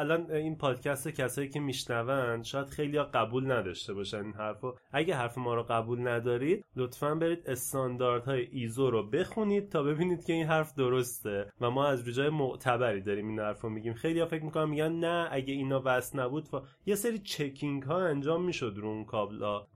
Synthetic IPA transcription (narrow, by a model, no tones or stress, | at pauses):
ælɒːninpʰɒːd̪̥cʰæst̪ecʰæsɒːjiːcʰe̞miːʃnævænd̪ʃɒːjæd̪xe̞jlijɒːɡæbuːlnæd̪ɒʃt̪e̞bɒːʃæninɦhæɾfɔʔæɟeɦæɾfemɒːɾoɣæbuːlnæd̪ɒːɾid̪̚lot̪fænbe̞ɾiːd̪e̞st̪ɒnd̪ɒɾd̪hɒːjeʔizoɾobe̞xuniːd̪̥̚t̪ʰɒːbe̞biːniːd̪cʰe̞inɦæɾfd̪oɾo̞st̪e̞væmɒːæzɾuːd͡ʒɒːjemoʔt̪ʰæbæɾiːd̪ɒːɾiːminhæɾfɾomiɟiːmxe̞jlijɒːfecʰmikʰonæmːiɟænnææɟeinɒːvæsnæbuːd̪f | je̞se̞ɾiːt͡ʃʰe̞cʰiŋɡhɒːænd͡ʒɒːmːiːʃo̞d̪ɾuunkʰɒblɒː